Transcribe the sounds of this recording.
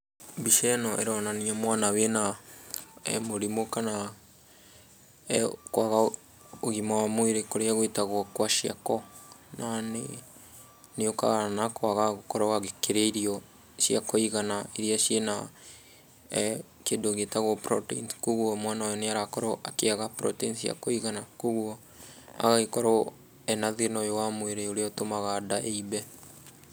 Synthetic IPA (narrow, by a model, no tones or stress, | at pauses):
biʃɛnɔʔḛɾɔnaniamwanawena | moɾimokana | kwaɣa | oɣimawamweɾekoɾeaɣwetaɣwɔkwaʃia̰kɔnane | neoka̰nakwaɣaɣokɔɾɔwaɣekeɾeiɾiɔ | ʃjakoiɣanaiɾiaʃjena | keːndoɣetaɣwɔpɾɔtḭnskoɣwɔmwanajɔneaɾakɔɾɔʔakeaɣapɾɔ̰tinsja̰koiɣanakoɣwɔ | a̰ɣaɣekɔɾɔ | ɛnaðenɔjowamweɾeoɾeaotomaɣaːdaʔeibɛ